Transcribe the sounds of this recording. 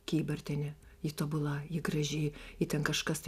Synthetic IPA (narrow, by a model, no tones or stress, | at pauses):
kʲiːbɐrʲt̪ʲɛnʲɛ | jɪt̪oːbʊlˠɐjɪɡrɐʒʲɪːɪt̪ʲɛnkɐʃkɐst̪